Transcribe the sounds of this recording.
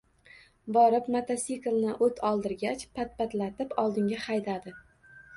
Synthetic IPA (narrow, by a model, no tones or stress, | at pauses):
bɒɾɪpmat̪ʰasiklˠnɪʔɵt̪ʰɒlˠd̪ɪɾɡʲat͡ʃpʰat̪̚pat̪lat̪ɪpɒlˠd̪ɪŋɡʲahajd̪ad̪ɪ